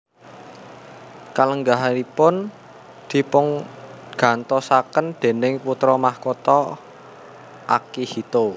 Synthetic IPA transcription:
kaləŋɡaɦaɾipʊn | d̪̥i̤pʊŋ | ɡ̥ä̤nt̪ɔsakənd̪̥e̤nɪŋput̪ɾɔmahkot̪ɔ | ʔakihit̪o

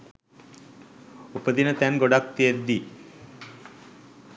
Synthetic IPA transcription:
upəd̪inət̪ænɡoɖak̚t̪ied̪ːi

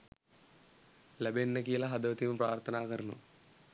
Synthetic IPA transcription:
lɐbenːɐkiːlɐɦɐd̪ɐʋɐt̪imupraːɾt̪ʰɐnaːɣɐɾɐnṵ

